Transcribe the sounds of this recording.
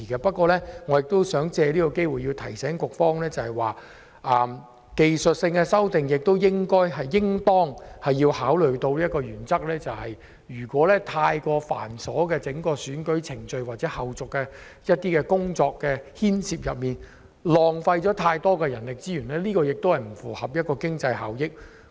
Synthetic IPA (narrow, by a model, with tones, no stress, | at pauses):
i˨˩kɛ˧pɐ˥t̚kwɔː˧lɛ˥ŋɔː˨˧jɪ˨k̚t̪o˥wsœː˨˥ŋt͡sɛː˧liː˥kɔ˧ke˥jwuː˨jiː˧wt̪ʰɐ˨˩jsɛː˨˥ŋkʊ˨k̚fɔː˥ŋlɛː˥t͡sɐ˨whɐ˨jwaː˨ | ʔɐ˨m | ke˨jsɵ˨t̚sɪ˧ŋkɛ˧sɐ˥wt̪ɪ˨ŋjɪ˨k̚t̪o˥wjɪ˥ŋkɔː˥jɦɐ˨jːɪ˥ŋt̪ɔː˥ŋhɐ˨jːiː˧whaː˨˥wlɵ˨ɥt̪o˧wliː˥ɐ˥kɔː˧jyː˨˩nt͡sɐ˥k̚lɛː˥t͡sɐ˨whɐ˨j | jyː˨˩kʷɔː˨˥lɛː˥t̪ʰaː˧jkɔː˧fa̰ː˨˩nsɔː˨˥kɛː˧t͡sɪ˨˥ŋkɔː˧syː˨˥nkɵ˨˥ɥt͡sʰɪ˨˩ŋt͡ʃɵ˧ɥwaː˨t̚t͡sɛː˨˦˥hɐ˨wt͡sʊ˨kːɛː˧ | jɐ˥t̪̚ːiː˥kɛː˧kʊ˥ŋt͡sɔː˧kːɛː˧hiː˥nsiː˧p̚jɐ˨p̚miː˨˩n | lɔː˨ŋfɐ˧jt͡ʃɔː˨˥t̪ʰaː˧jt̪ɔː˥kɛː˧jɐ˨˩nlɪ˨k̚t͡siː˥jyː˨˩nlɛː˥liː˥kɔː˧jɪ˨k̚t̪o˥whɐ˨jm̩˨˩fuː˨˩hɐ˨p̚jɐ˥t̚kɔː˧kɪ˥ŋt͡sɐ˧jha̰ː˨˥wjɪ˥k̚